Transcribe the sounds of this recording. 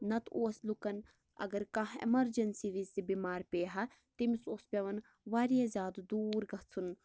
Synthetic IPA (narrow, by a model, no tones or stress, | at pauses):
nɐt̪oːslukɐn | ɐ̰ɡɐɾkãɦḛmɐɾd͡ʒɐnsiːʋizd̪ibimaːɾpʲeːɦa | t̪imisoːspʲeʋɐn | ʋaːɾijɐzʲaːd̪d̪uːɾɡɐt͡sʰun